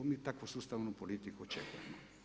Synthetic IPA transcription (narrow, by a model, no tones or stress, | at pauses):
omit̪akosust̪amunupolit̪ikot͡ʃɛkɛ̰no